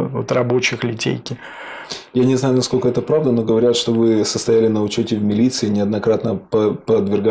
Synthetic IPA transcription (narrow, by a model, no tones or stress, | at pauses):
ot̪rɐbo̞t͡ɕɪxlʲɪtʲḛjkʲɪ | janʲɪznajʊnɐskolʲkəɛt̪əpɾavd̪əno̞ɡəvɐɾʲat̪ʂt̪o̞vɨsəst̪ɐjælʲɪnəʊt͡ɕotʲɪvʲmʲɪlʲit̪sɨɪnʲɪɐd̪nɐkɾat̪nəpəpəd̪vʲɪrɡa